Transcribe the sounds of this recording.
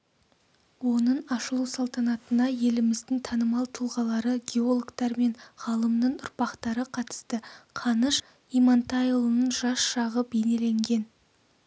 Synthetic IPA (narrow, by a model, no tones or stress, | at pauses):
wo̞nəɴɑʃəlˠuwsɑlˠt̪ɑnɑt̪ənɑje̞lɪmɪzd̪ɪŋt̪ʰɑnəmɑlˠt̪ʰulˠʁɑlˠɑɾəɡʲeo̞lˠkt̪ɑɾme̞nʁɑlˠəmnəɴʊɾpɑqt̪ɑɾəqʰɑt̪ə̥st̪əqʰɑnəʃ | ijmɑnt̪ɑjlˠənəɴʒɑsʃɑʁəbe̞ne̞le̞ŋɡʲe̞n